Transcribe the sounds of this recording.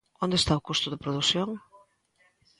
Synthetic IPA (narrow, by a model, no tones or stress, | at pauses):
ond̪est̪aʊkust̪ʊðɪpɾoðuθjoŋ